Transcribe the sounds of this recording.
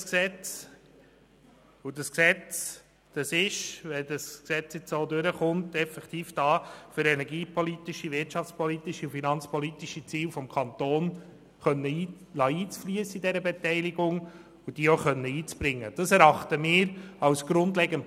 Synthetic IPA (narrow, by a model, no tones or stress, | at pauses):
sksɛt͡s | ʊdɑsksɛt͡s | d̥ɑsɪʃʋɛdɑsksɛt͡sjɛt͡soːdøɾəχʊntɛfɛkt̪iːfd̥ɑːføɾɛnɛɾɡiːpʰɔlit̪iʃiʋɪtt͡ʃɑft͡spʰɔlit̪iʃiʊfinɑnt͡spɔlitiʃit͡siːlfɔmkʰɑnt̪oːn | χœnːəː | lɑːiːt͡sflyəsəidɛɾəbɛtɛɪliɡʊŋ | ʊd̥iːoχœnːəiːt͡sb̥ɾɪŋːəd̥ɑsɛɾɑχtəmɪːɾɑwsɡ̥ɾʊndlɛɡənt